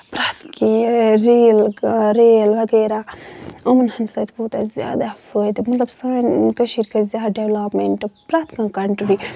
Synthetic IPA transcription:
pɾat̪kiɾiːlɾeːlʋɐɡeːɾaɐːmɐnhɐnsɐːt̪buːt̪azʲja̰ːd̪afəːjd̪ɨmɐt̪lɐbsaːnkɐʃiɾkɐzʲaːɖeʋlaːpmeɳʈpɾaːt̪kãːkɐɳʈbi

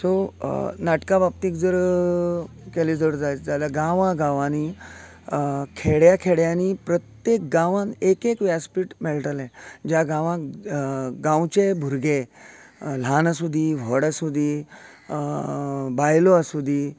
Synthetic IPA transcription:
sonaʈkabap̚t̪iːkd͡zəɾ | kɛlid͡zəɽd͡zajd͡zalaɡãʋãɡãʋãni | kʰeɽjakʰeɽjaniːpɾət̪jek̚ɡãʋãnekekʋjaspiːʈmɛɭʈəlɛ̃d͡ʑjaɡãʋã | ɡãwt͡ɕebʱuɾɡe | l̤anasud̪ʱiːʋɔɽasud̪ʱiː | bajloasud̪ʱiː

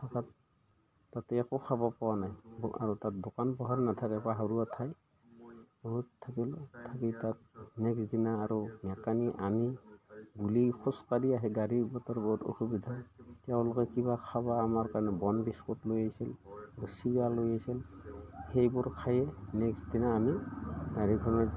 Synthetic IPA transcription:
tʰakatː | atɛːkɔkʰabapɔwanajba̰ɹɔtat̚dokanpɔɦaɹnat̪ʰakɛpaɦaɹuatʰaj | bɔɦutʰːakiltʰakitat̚ | nɛksdinaːɾɔmɛkaniʔaniɡulixʰɔskaɾiaɦɛɡaɹibɔtɔɹbɔɦuto̰xubid̪ʱatjaʊ̃lɔkɛkiβakʰabaːmaɹkaɹnɛbɔnbiskɔtlojajsilaɾusiɡalːojajsilhejbʊɹkʰajɛnɛksdinaːmiɡaɹiɡʱɔnɔ

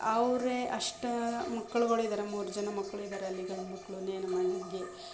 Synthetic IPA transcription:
ɐʋɾeʔɐʂʈɐmɐkːɐɭuɡoɭuid̪aːɾemuːɾud͡ʒɐnɐmɐkːɐɭuid̪aːɾeɐlːiɡɐɭmɐkːɐɭuneːnɐmɐnɐɡe

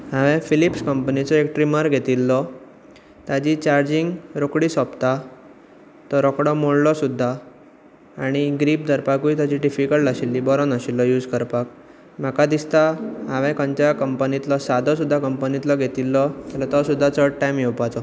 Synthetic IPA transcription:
ɦãʋɛ̃filipskəmpənit͡sɔek̚ʈɾiməɾɡʱet̪ilːɔ | t̪jad͡ʑit͡ɕaɾd͡ʑiŋɡɾokɽiːsɔpt̪a | t̪ɔɾɔkɽɔmoɽlɔsud̪ʱːaː | ɽ̃iɡɾiːp̚d̪ʱəɾpakuit̪jad͡ʑiɖifikəɭʈaɕilːibɔɾɔnaɕilːɔjuːd͡zkəɾpak | m̤akad̪ist̪aɦaʋɛ̃kə̃ɲt͡ɕakəmpənit̪lɔsad̪ʱɔs̬ud̪ʱːakəmpənit̪lɔɡʱet̪ilːɔt̪alat̪ɔsud̪ʱːat͡sɔʈajmjewpat͡sɔ

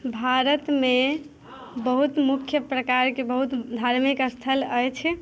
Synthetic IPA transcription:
bʱaɾət̪me | bəɦut̪mukʰjəpɾəkaɾkebəɦut̪d̪ʱaɾmikəst̪ʰələjt͡ʃʰ

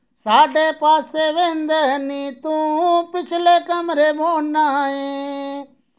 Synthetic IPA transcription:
saːɖeːpaːseːʋẽːnd̪eːɦəniːt̪ũːɦpɪt͡ʃʰleːkəmɾeːboːnaẽː

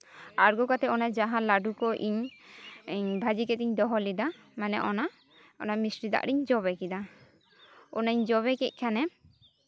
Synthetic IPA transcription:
aɾɡɔkat̪ɛɔnad͡ʒaɦãlaɖukɔʔiɲ | ɲbʱad͡ʒikɛt̪iɲd̪ɔɦɔlid̪a | manɛʔɔna | ɔnamisɾid̪a̰ʔɽiɲd͡ʒɔβɛkid̪a | ɔnaiɲd͡ʒɔβɛkɛc̚ˀkʰanɛ

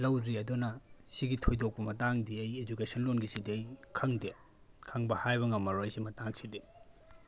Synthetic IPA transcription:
lɐwɾiɐdonɐsiɡitʰojdok̚pɐmɐtaŋdiɐjed͡ʒukesɐnlonɡisidiɐjkʰɐŋde | kʰɐŋbɐhajbɐŋɐmːɐɾojsimɐtaŋsidi

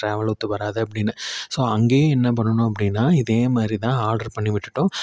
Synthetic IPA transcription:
ʈɾaːʋɐɭut̪ːɯʋɐɾaːðɐɐp̬ːɐɽɪnːɯsoːɐŋɡeːɛnːɐp̬ɐɳːɐɳʊ̃ɐp̬ːɐɽɪnːaːɪðeːmaːd̪ɾit̪ãːaːɾɖɐɾpɐɳːɪʋɪʈːɯʈːʊ̃

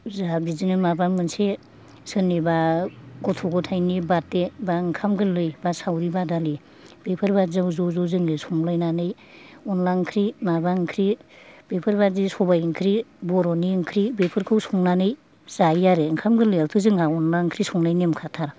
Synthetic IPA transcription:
zabizinɯmabamɯnse | sɯnibaɡɔtʰɔɡɔtʰajnibat̚ːebaŋkʰamɡɯlɯjbasawɾibadali | b̥epʰɯɾbazawzɔzɔzɯŋlisɔŋlajnanɯj | ɔnlaŋkʰɾimabaŋkʰɾib̥epʰɯɾbazisɔbajŋkʰɾibɔɾɔniŋkʰɾibepʰɯɾkʰɯwsɔŋnanɯj | z̥ajjaɾeɯŋkʰamɡɯlɯjawtʰɯzɯŋaɔnlaŋkʰɾisɔŋlajnimkʰatʰaɾ

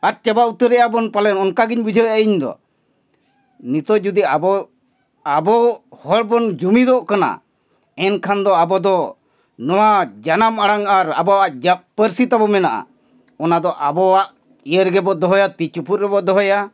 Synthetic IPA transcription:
at̪̚t͡ʃɛbaut̪əɾɛʔabɔnpalɛnɔnkaɡiɲbud͡ʒʱɔaʔiɲd̪ɔ̰ | nit̪ɔʔd͡ʒud̪iabɔ | abɔhɔɽbɔnd͡ʒumid̪ɔʔkana̰ | ɛnkʰand̪ɔabɔd̪ɔ | nɔwad͡ʒanamaɽaŋaɾa̰bɔaʔd͡ʒapəɾsit̪abɔmɛnaʔa̰ | ɔnad̪ɔʔabɔaʔ | ijəɾɡɛbɔd̪ɔɦɔjat̪it͡ʃuput̪ɾ̚ɾɛbɔd̪ɔɦɔja

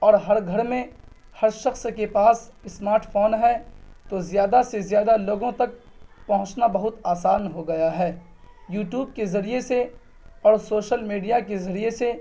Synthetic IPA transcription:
ɔːɾɦɐɾɡʱɐɾmẽ | hɐɾʃɐxskepaːsɪsmaːɾʈfoːnɦɛt̪ozjaːd̪asezjaːd̪aloːɡõt̪ɐk̚ | pɐɦʊ̃t͡ʃnabɐɦʊt̪aːsaːnɦoɡɐjaɦɛː | juːʈjuːb̚kezɐɾiese | ɔːɾsoːʃəlmiːɖijak̬ezɐɾiese

